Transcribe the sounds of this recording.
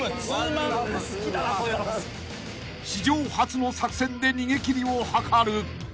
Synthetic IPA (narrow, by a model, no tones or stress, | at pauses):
skʲia | ɕiʑo̞ːhat͡sɨno̞sakɯ̟̥sẽ̞nd̪e̞ɲ̟iɡe̞kʲiɾʲiohakʰaɾɯ̟